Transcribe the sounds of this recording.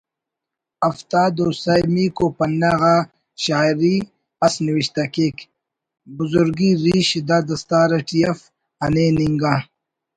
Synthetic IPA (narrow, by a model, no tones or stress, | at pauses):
ɐft̪aːd̪oːsajmiːkopɐnːaɣa | ɕaːɾi | ɐsniwiɕt̪akek | buzuɾɡiɾiːɕid̪ad̪ɐst̪aːɾɐʈijɐf | ɐneniŋɡa